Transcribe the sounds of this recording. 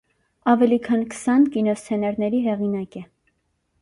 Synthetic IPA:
ɑvɛlikʰɑnkə̥sɑnkinɔst͡sʰɛnɛɾnɛɾiɦɛʁinɑkɛ

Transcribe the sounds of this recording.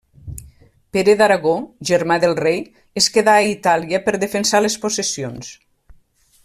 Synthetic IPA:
peɾeðaɾaɣoʒəɾmaðelˠrej | eskeðaːit̪aliəpəɾðefensalesposesions

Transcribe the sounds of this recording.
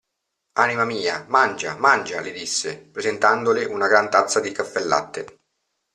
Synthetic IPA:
animamiːamand͡ʒa̰mand͡ʒalid̪isːepɾezent̪and̪olɪʔunaɡɾant̪at̪sːad̪ikafːelːa̰t̪ːe

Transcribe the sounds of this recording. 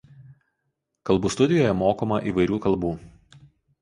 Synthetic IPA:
kɐlˠbuːst̪ʊd̪ʲɪjoːjɛmoːkoːmɐʔiːˑʋɐɪɾʲuːkɐlˠˑbuː

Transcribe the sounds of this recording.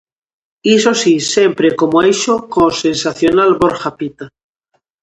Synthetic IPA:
isosisempɾekomoeʃokosensaθjonalβoɾxapit̪a

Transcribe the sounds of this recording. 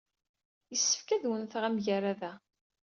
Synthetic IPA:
jəsːə̥fkæðwənθəʁæmʝəɾæðæ

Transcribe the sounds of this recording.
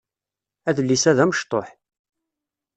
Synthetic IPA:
æðəlːisæðæməʃt̪ˤo̰ħ

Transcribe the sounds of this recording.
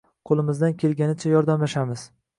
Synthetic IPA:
qʰolˠɪmɪzd̪ankʲʰe̞lɡʲanɪt͡ʃʰajɒɾd̪amlaʃamɪz̥

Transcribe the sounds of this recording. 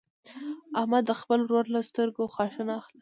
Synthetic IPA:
ahmad̪ːəxpəlɾoɾlast̪əɾɡoxwɑʃənaaxla

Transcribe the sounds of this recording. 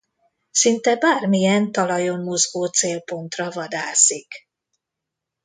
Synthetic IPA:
sint̪ɛbaːrmijɛnt̪ɒlɒjo̞mmo̞zɡoːt̪seːlpo̞nt̪rɒvɒd̪aːsik

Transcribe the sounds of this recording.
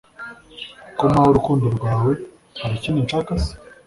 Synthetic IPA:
komahoɾukuːndiɾɡwaːwe̞ | haɾicinint͡ʃakasi̥

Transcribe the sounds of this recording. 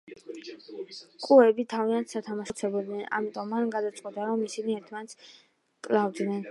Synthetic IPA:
kʼuɛbit̪ʰaviant̪ʰsat̪ʰamaʃt̪sʰɛbɔd̪nɛna̰mit̪ʼɔmːanɡad̪at̪sʼqʼɛt̪ʼaɾɔmisiniɛɾt̪ʰmanɛt̪s | kʼlˠavd̪nɛn

